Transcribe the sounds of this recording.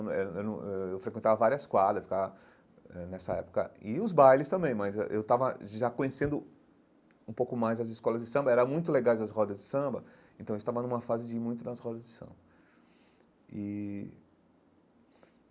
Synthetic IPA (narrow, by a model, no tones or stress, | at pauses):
ɛewñɛewfɾekwẽt̪avɐvaɾiɐskwad̪ɾɐfi̥kavɐ | ɛnɛsɐɛ̰pʊ̥kɐ̰ɪʊzbajlɪst̪ɐ̃mbẽj̃mɐzɛʔḛwt̪avɐʒakõɲesẽnd̪ʊ | ũpowkʊmajzɐzɪskɔlɐzd͡ʒɪsɐ̃mbɐɛɾɐ̃mũj̃t̪ʊleɡajzɐsɦɔd̪ɐzd͡ʒɪsɐ̃mbɐ | ẽt̪ɐ̃w̃est̪avɐnũmɐfazɪd͡ʒɪmũj̃t̪ʊdnɐshɔd̪ɐzd͡ʒɪsɐ̰̃mbɐ | ɪ